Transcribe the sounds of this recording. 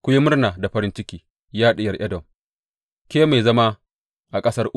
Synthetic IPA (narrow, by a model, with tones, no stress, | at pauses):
kʷʊ˦ji˦mʊ˦rnaː˨da˨ɸɐ˦ɾɪ˦nt͡ʃɪ˦kʲiː˨ | jaː˦ɗɪ˨jɐ˨rʔɐ˦dɔ˨m | kʲeː˦ma˨jzɐ˦ma˦ | ʔa˨kʼɐ˦sɐ˦rʔʊ˦